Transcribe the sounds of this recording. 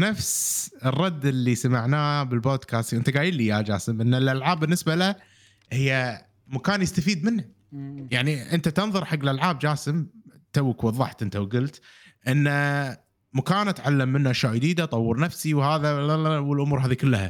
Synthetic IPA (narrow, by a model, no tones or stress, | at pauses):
nafsrˤːɑd̪ːɪlːisamaʕnaːbɪlboːd̪kʰaːst̪ʔɪnt̪aɡaːjɪlːijad͡ʒa̰ːsəmʔɪnːɪlʔalʕaːbːɪnːɪsbalɪ | hɪjːa | makaːnjɪst̪afiːd̪̚mɪnːa | jaʕniʔɪnt̪at̪ɨnðˤɨɾˤħaɡːlʔalʕaːb̚d͡ʒaːsɪm | t̪awːkwɑðˤːɑħt̪ʔɪnt̪awɡʊlt̪ | ʔɪnːa | makaːnʔat̪ʕalːamːɪnːaʔaʃwaːʔjd̪iːd̪at̪ˤɑwːɨɾˤnafsiwhaːðawɪlʔʊmuːɾɦaːðikʊlːha̰